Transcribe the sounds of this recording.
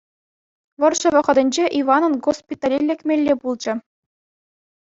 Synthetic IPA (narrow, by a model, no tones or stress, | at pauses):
ʋɤ̆rʂʃɤ̆ʋɤ̆χɤ̆d̪ɘ̆nʲd͡ʑeʔiʋɑnɤ̆nɡospʲit̪ɑlʲelʲːekʲmʲelʲːebulˠd͡ʑɘ̆